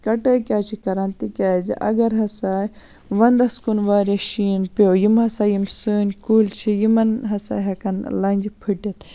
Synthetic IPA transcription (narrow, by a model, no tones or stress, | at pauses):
kɐʈɐːkʲaːt͡ʃʰikɐɾɐnt̪ikʲaːzḭʔɐ̰ɡɐɾɦɐsaː | ʋɐnd̪ɐskunʋaːɾɐʃiːnpoːjimɦɐsaːjimsɨːnʲkuːlt͡ʃʰijimɐnɦɐsa̰ːɦɐkɐnlɐnʲd͡ʒipʰɨʈet̪